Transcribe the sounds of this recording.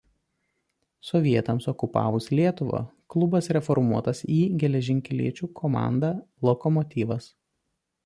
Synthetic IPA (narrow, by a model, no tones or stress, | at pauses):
sɔʋʲiɛt̪ɐmsɔkʊpɑ̰ːʋʊslʲiɛt̪ʊʋɐ̰klˠʊbɐsɾʲɛfɔɾmuɔt̪ɐsiːɡʲɛlʲɛʒʲɪŋʲkʲɛlʲḭɛt͡ʃʲuːkʰɔmɑ̰ˑnd̪ɑːlˠɔkɔmɔt̪ʲiːʋɐs